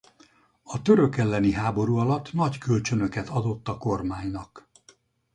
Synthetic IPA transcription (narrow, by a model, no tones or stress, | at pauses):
ɒt̪ø̞ɾø̞kɛlːɛniɦaːbo̞ɾuːɒlɒt̪ːnɒckølt͡ʃø̞nø̞kɛt̪ɒd̪o̞t̪ːɒko̞rmaːɲnɒk